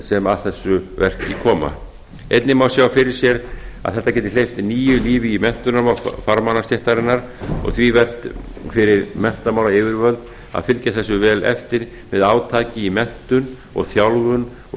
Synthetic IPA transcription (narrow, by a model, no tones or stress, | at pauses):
sɛmaðθɛsːʏvɛr̥cɪkʰɔːma̰ | ejt̪nɪmawsjaːwfɪɾɪɾ̥sjɛɾa̰ðθɛht̪ːacɛːt̪ɪlejft̪niːjʏliːvɪimɛn̥t̪ʏnaɾmawfaɾmanast̪jɛht̪aɾɪnːaɾ | ɔ̰ɣθvivɛr̥t̪ | fɪɾɪɾmɛn̥t̪amaːwɾaɪːvɪɾvœlt̪ | a̰ðfɪlcaθɛsːʏvɛːlɛ̰ft̪ɪɾ | mɛðaːwt̪ʰaːcɪimɛn̥t̪ʏn | ɔ̰ɣθjawlɣʏn